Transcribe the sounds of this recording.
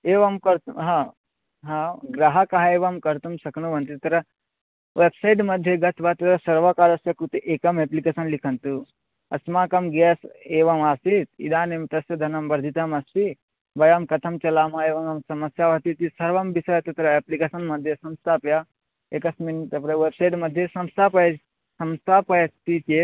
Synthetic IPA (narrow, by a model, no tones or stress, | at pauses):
eːʋɐmkɐɾt̪uɦã | ɦãːɡɾaɦɐkɐɦaeːʋɐmkɐɾt̪umsɐknuʋɐnt̪it̪ɐɾɐ | ʋebsɐiʈmɐd̪ʱjeɡɐt̪ʰʋat̪ɐt̪ɾɐsɐɾʋɐkaːɾɐsjɐkɾut̪eʔeːkɐmeplikeːsɐnlikʰɐnt̪u | ɐ̰smaːkɐmɡeseːʋɐmaːsit̪ḭd̪aːnemt̪ɐsjɐd̪ʱɐnɐmbɐɾd̪ʱit̪ɐmɐst̪i | bɐjaːmkɐt̪ʰɐmt͡ʃɐlaːmaeːʋɐmɐmsɐmɐsjaʋɐt̪it̪isɐɾʋɐmbisɐjɐt̪ɐt̪ɐɾɐeplikeːsɐnmɐd̪ʱjesɐmst̪ʰaːpja | ekɐsmint̪ɐpɾɐʋebsɐjʈmɐd̪ʱːjesɐmst̪ʰaːpɐ | sɐmst̪ʰaːpɐjɐt̪it͡ʃeː